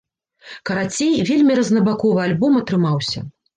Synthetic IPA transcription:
kɐɾat͡sʲejvʲelʲmʲiɾɐznɐbakɔvɨalʲbɔmɐt̪ɾɨmawsʲɐ̰

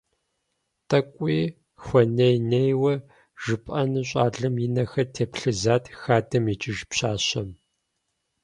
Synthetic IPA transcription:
tʰʼɐkʷʼiː | xʷɔnejnejwɐ | ʒ̥ɨpʼɐnɨɕ̬ʼaːɮɨmjinɐxɐtʰeːpɬɨzaːtʰxaːdɐmit͡ʃʼɪʒpɕaːɕɐm

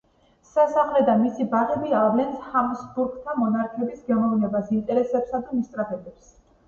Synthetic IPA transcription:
sasaχlɛd̪amisibaʁɛbiavlɛnshamsbuɾɡt̪ʰamɔnaɾkʰɛbisɡɛmɔvnɛbasint̪ʼɛɾɛsɛpsad̪amist̪ʼɾapʰɛbɛps

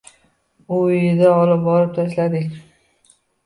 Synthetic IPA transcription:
ʊjɪd̪aɒlɪp̚bɒɾɪp̚t̪ʰaʃlad̪ɪkʲ

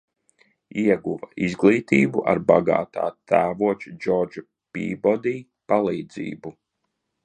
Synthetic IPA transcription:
iɛɡuvaizɡlˠiːt̪iːbuʔa̰ɾbaɡa̰ːt̪a̰ːt̪ʰæːvuɔt͡ʃud͡ʒɔɾd͡ʒu | pḭːbɔd̪iː | palˠiːd̪zḭːbu

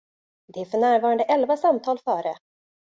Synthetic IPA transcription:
d̪ɛæɾfœɳæːɾvɑːɾand̪əʔɛlvasamt̪ʰɑːlfœːɾə

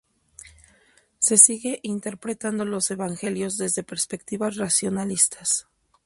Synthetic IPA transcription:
se̞siɣe̞ʔint̪e̞ɾpɾe̞t̪and̪o̞lo̞se̞βaŋxe̞ljo̞zðe̞zðe̞pe̞ɾspe̞kt̪iβasrasjo̞nalist̪ʰḁs

